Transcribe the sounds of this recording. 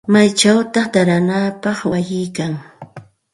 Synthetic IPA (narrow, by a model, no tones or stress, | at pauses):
majt͡ʃawt̪ɑχt̪aɾanapɑχwajɪjkaŋ